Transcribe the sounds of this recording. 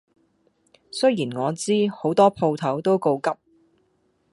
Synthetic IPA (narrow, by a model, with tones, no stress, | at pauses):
sɵ˥ɥjiː˨˩nŋɔː˨˧t͡siː˥ho˨˥wt̪ɔː˥pʰo˧wt̪ʰɐ˨˥wt̪o˥wko˧wkɐ˥p̚